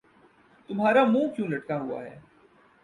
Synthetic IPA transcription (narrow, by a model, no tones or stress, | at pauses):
t̪ʊmɦaːɾamũːkjũːlɐʈkaɦʊa̰ɦɛ̰ː